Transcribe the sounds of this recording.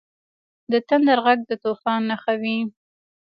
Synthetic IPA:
d̪ət̪and̪aɾɣaɡ̚d̪ət̪ofɑnːaxawi

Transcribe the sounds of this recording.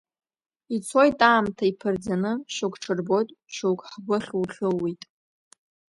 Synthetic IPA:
it͡sʰo̞jtʼaːmtʰaipʰɨrd͡zanɨʃukʷʰʼʈ͡ʂʰɨrbo̞tʼʃuwkʼħɡʷʊχʲuwχʲɨlːitʼ

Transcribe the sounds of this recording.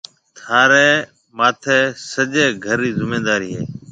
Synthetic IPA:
t̪ʰaːɾeː | maːt̪ʰeːsəd͡ʒeːɡʱəɾiːzɪmẽːd̪aːɾiːɦḛː

